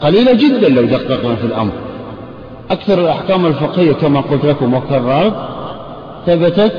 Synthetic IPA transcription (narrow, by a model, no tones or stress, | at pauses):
qɑliːlad͡ʒɪd̪ːanlawd̪aqːɑqnafilʔa̰mɾˤ | ʔakθɑɾˤɪlʔaħkaːmɪlfɪqhɪjːakamaqʊlt̪lakʊmʊkɑrˤːɑɾˤt̪ˤ | θabɪt̪a